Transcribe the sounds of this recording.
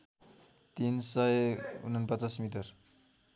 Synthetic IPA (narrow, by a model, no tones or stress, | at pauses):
t̪insʌjṵn̤ʌnpʌt͡sasmiʈ̬ʌr